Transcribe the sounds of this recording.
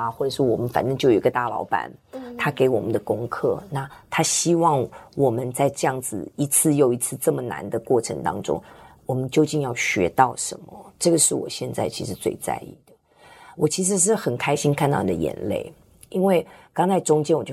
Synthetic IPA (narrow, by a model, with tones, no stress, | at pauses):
xwɔ˥˩ʈ͡ʂɤ˨˩ʂwɔ˥wɔ˨˩mə˦nfa̰˨˩nʈ͡ʂə˥ŋt͡ɕjo˥˩ʊjo˨˩˨i˧˥ɡə˧t̪a˥˩lɑ̰˧˥ʊpa̰˧˥nt̪ʰa˥ke˧˥ɪwɔ˨˩mə˦nd̪ə˨kʊ˥ŋkʰɤ̰˥˩na˥˩t̪ʰa˥ɕi˥wɑ˥˩ŋwɔ˨˩mə˦nt͡sa˥˧ɪʈ͡ʂɤ˥˧jɑ˥˩ŋd͡zɹ̩˨˩i˧˥t͡sʰɹ̩˥˧jo˨˩ʊi˧˥t͡sʰɹ̩˥˧ʈ͡ʂɤ˥˩mə˩na̰˧˥nd̪ə˧kwɔ˥˩ʈ͡ʂʰɤ̰˧˥ŋt̪ɑ̰˥ŋʈ͡ʂʊ̰˥ŋwɔ˨˩mə˦nt͡ɕjo˥˧ʊt͡ɕi˥˧njɑ˥˩ʊɕɥɛ̰˧˥t̪ɑ˥˩ʊʂə̰˧˥nmə̰˦ʈ͡ʂɤ˥˩ɡə˩ʂɻ̩˥˩wɔ̰˨˩ɕjɛ˥˧nt͡sa˥˩ɪt͡ɕʰi˧˥ʂɻ̩˧˥˦t͡swḛ˥˧ɪt͡sa̰˥˧ɪḭ˥˩d̪̥ə˩ | wʔɔ˨˩t͡ɕʰi˧˥ʂ̬ɻ̩˧˥ʂ̬ɻ̩˥˩xə˨˩nkʰa˥ɪɕi˥ŋkʰnt̪ɑ˥˧ʊ˩i˨˩d̪ə̰˧jɛ̰˧˩nlḛ˥˩ɪ | i˥nwe˥˩ɪkɑ˥ŋt͡sʰa˧˥ɪʈ͡ʂʊ˥ŋt͡ɕjɛ˥nwɔ˨˩t͡ɕjo˥